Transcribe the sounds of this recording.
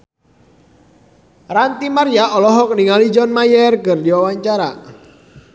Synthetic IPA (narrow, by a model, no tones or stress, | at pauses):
rant̪imarjaʔɔlɔɦɔkniŋalid͡ʒɔnmajɛrkɨrdiwawaɲt͡ʃaɾa̰